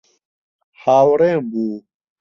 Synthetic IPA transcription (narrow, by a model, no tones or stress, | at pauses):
haːwɾɛ̃ːbuː